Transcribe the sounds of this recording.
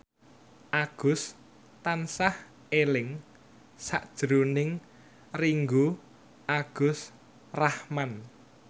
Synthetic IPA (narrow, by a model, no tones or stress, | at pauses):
ʔaɡ̥ʊs | t̪ansah | elɪŋ | sa̰ʔd̥ʒ̥ɾonɪŋ | riŋɡu | ʔaɡ̥ʊ̤s | rahman